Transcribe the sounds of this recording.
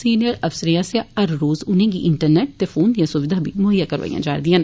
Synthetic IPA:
siːnijəɾɐfsəɾijãseãɐɾːoːzʊnẽːɡiʔɪɳʈəɾneːʈ̚t̪eːfʰoːnd̪ijãːsʊʋɪd̪ʱaːbʱimʊɦəjːaːkəɾʋə̰ḭjã̰ːd͡ʒaːɾd̪ijãn

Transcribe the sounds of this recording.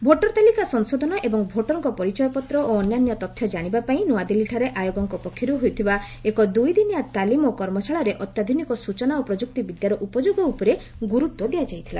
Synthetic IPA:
bʱoʈɔɾt̪alikasɔŋsod̪ʱɔnɔʔebɔŋbʱoʈɔɾŋkɔpɔɾit͡ʃɔjɔpɔt̪ɾɔoɔnjanjɔt̪ɔt̪ʰjɔd͡ʒaɽ̃ibapaĩnoad̪iliʈʰaɾeʔajoɡɔŋkɔpɔkʰjɔɾuɦojt̪ʰiba | ekɔd̪ujd̪inijat̪alimokɔɾmɔsʰaɭɔɾeʔɔt̪jad̪ʱunikɔsut͡ʃɔnaopɾɔd͡ʒuk̚t̪ibid̪jaɾɔʔupɔd͡ʒoɡɔupɔɾe | ɡuɾut̪wɔd̪ijad͡ʒajt̪ʰila

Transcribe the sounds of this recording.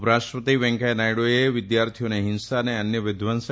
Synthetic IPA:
pɾaʃʈʋət̪iʋɛ̃ŋkajnajɽoeʋɪd̪jaɾt̪ʰijoneɦɪnsaneənjəʋɪd̪ʱʋəns

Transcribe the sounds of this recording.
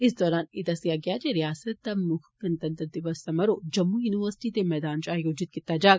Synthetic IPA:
ɪsd̪ɔːɾaːnɪd̪ɐsijaɡɐjad͡ʒeɾijaːsət̪̚d̪amʊxkɐnt̪ɐnt̪ɐnt̪ɪʋɐsɐmɐɾod͡ʒɐmːujuːniʋəɾsɪ̥ʈit̪emɛːd̪aːnt͡ʃaːjoːd͡ʒɪt̪̚kɪt̪ːad͡ʒaː

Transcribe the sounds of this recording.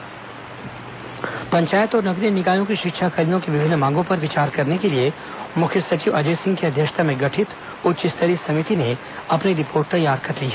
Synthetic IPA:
pɐ̃ɲt͡ʃaːjət̪ɔːɾnɐɡɾijnɪkaːjõkiʃɪkʃakɐljõkeʋɪbʱɪnːmãːŋɡõpɐɾʋɪt͡ʃaːɾkɐɾnekelie | mʊkʰjəsɐt͡ʃiːʋɐd͡ʒeːsɪ̃ŋɡkeɐd̪ʱjəkʃt̪ʰamẽɡɐʈʰɪt̪ | ʊt͡ʃɪst̪ʰəɾisɐmit̪ine | ɐpniɾɪpʰoːɾʈ̚t̪ɐjːaːɾkɐɾliːɦɛ

